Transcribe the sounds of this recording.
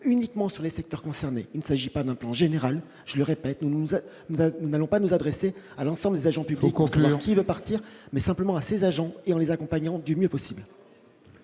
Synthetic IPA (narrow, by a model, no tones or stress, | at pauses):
ynikmɑ̃syʁlesɛk̚t̪œʁkɔ̃sɛʁneilnəsaʒipad̪ɛ̃plɑ̃ʒeneʁal | ʒ̥ələʁepɛt̪nu | nununalɔ̃panuzad̪ʁese | alɑ̃sɑ̃bləd̪ezaʒɑ̃pybliksavwaʁkivøpaʁt̪iʁmɛsɛ̃pləmɑ̃asezaʒɑ̃eɑ̃lezakɔ̃paɲɑ̃d̪ymjøpɔsibl